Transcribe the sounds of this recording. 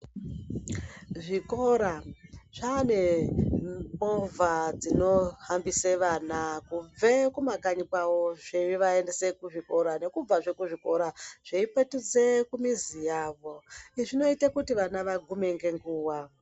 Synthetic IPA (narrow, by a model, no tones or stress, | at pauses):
ʐiko̞ɾaʐ̥ane̞ | ovʱad͡zino̞hambiseʋaːnakub͡vekumakaɲikwawoʐeiʋaende̞se̞kuʐiko̞ɾane̞kub͡vaʐe̞kuʐiko̞ɾaʐ̥eipetid͡zekumizijaːʋo̞iʐino̞itakutiʋanaʋaɡʱume̞ŋɡe̞ŋɡuːwa